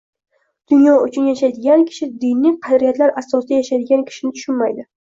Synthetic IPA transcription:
d̪̥ʊnjɒʊt͡ʃʰʊnjaʃajd̪ɪɡʲankʲʰɪ̥ʃɪd̪ɪnːɪjqʰɑd̪ɾijat̪laɾʔasɒsd̪ajaʃajd̪ɪɡʲankʲʰɪ̥ʃɪnɪt̪ʰʊ̥ʃʊnmajd̪ɪ

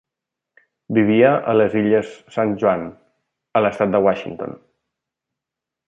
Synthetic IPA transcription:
biβ̞iəʔələziʎəsːanʒuan | ələst̪at̪̚d̪əwaʃḭnt̪o̰n

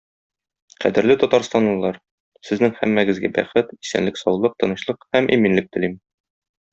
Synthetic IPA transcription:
qæ̰d̪ɘ̆ɾlɘt̪ɒt̪ɑɾst̪ɑnlɤ̆lˠɑɾ | sɘ̆znɘŋhæ̰mːæɡɘ̆zɡæbæ̰χɘt̪isæ̰nlɘksɒwlˠɤq̚t̪ɤ̆nɤ̆ɕlˠɤqhæmʔiminlɘk̚t̪ɘ̆lim

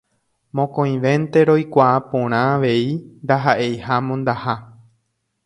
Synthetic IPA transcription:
mõkõj̃ʋẽ̞nt̪e̞ɾo̞jkʷaapõɾ̃ãːʋe̞ind̪aɦaʔe̞jhamõnd̪aha

